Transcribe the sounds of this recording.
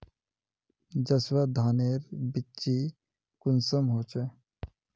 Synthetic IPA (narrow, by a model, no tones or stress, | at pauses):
d͡ʒəswad̪ʱaːneːɾbɪtːt͡ʃːi | kʊnsəmɦoːt͡ʃe